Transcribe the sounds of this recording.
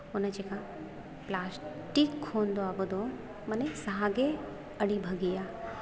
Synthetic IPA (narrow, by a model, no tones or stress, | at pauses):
ʊnə̆d͡ʑeːka | plaːs | ʈikʰːoːnd̪oaːbʊd̪ʱo | mɐnesɐɦaɡe | ɐɽibʱɐɡiaː